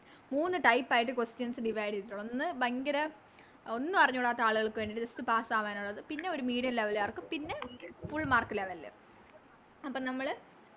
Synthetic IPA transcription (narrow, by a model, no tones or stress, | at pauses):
muːnːɨʈɐjpːaːjiʈ̬ːɨkwestjɐnsɨɖiʋɐjɽiːuɭːonːɨbɐŋɡɐɾɐ | o̞nːɨpɐrɐɲːuɽaːt̪ːɐaːɭuɣɐɭkːɨʋenɖiʈːɨdɐstɨpaːsaːʋaːnuɭːɐðɨpinːe̞o̞ɾumiːɽɐnleʋɐljaːrkːɨmpinːe̞miːfuɭːmaːrkːileʋɐlːḛ | ɐpːɐːnɐmːɐɭ